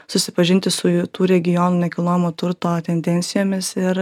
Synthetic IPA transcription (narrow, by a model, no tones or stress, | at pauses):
sʊsʲɪpɐʒʲɪnʲt̪ʲɪsʊt̪uːɾʲɛɡʲɪjoːnuːnʲɛkʲilˠoːjɪmoːt̪ʊɾt̪oːt̪ʲɛnʲd̪ʲɛnʲt̪sʲɪjoːmʲɪsɪɾ